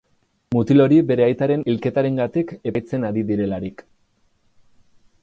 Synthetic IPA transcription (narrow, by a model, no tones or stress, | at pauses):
mut̪ilo̞ɾibe̞ɾe̞ajt̪aɾe̞nilke̞t̪aɾe̞ŋɡat̪ikeajt͡se̞naɾiðiɾe̞laɾik